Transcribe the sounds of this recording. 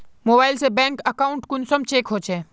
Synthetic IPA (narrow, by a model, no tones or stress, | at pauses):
moːbaːɪlsebɛ̃ːŋkɐkaʊɳʈkʊnsəmt͡ɕeːkɦoːt͡ʃʰeː